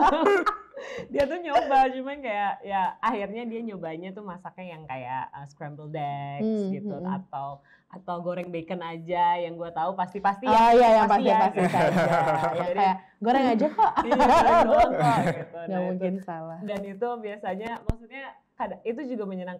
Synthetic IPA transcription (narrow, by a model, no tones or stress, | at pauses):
diat̪̬uɲobat͡ʃumankajaʔjaːhirɲadiaɲobaɲat̪umasakajaŋkaja̰ʔəskɾɛmbəldɛksɡit̪ua̰t̪aw | ʔat̪awɡoɾɛŋbekənad͡ʒajaŋɡuat̪aupast̪ipast̪ijajapasiaai | d͡ʒadiaja | ɡoɾɛŋad͡ʒakɔʔdɔɡit̪udɡamuŋkɪnsalahdanit̪ubiasaɲamaksut̪̚ɲa | kadait̪ud͡ʒuɡaməɲənaŋ